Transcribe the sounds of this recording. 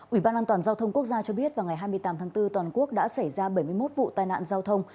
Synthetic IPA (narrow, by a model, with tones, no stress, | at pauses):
ʔwi˧˩ɓaː˧nʔaː˧nt̪waː˨˩nzaː˧wt̪ʰə˧wŋ͡mku˦˥k̚zaː˧t͡ɕɔ˧ɓi˦˥ət̚vaː˨˩wŋa˨˩jɦaː˧jmɨ˧əjt̪aː˨˦mt̪ʰaː˨˦ŋt̪ɨ˧t̪waː˨˩nku˦˥ək̚ɗa̰ː˧˥sa˧˩jzaː˧ɓə˧˩jmɨ˧əjmo˦˥t̚vṵ˧˨t̪aː˨˧jna̰ː˧˨nzaː˧wt̪ʰə˧wŋ͡m